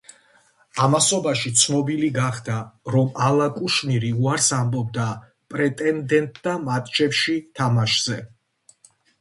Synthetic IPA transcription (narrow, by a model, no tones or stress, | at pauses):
amasɔbaʃit̪sʰnɔbiliɡaχd̪aɾɔmalˠakʼuʃniɾiuaɾsambɔb̚d̪a | pʼɾɛt̪ʼɛnd̪ɛnt̪ʼd̪amat̪ʼt͡ʃʰɛpʃit̪ʰamaʃz̥ɛ